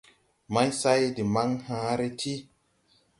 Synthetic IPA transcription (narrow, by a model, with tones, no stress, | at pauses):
ma˦jsa˦jdi˨ma˦ŋhãː˨˦ɾe˦tʰi˦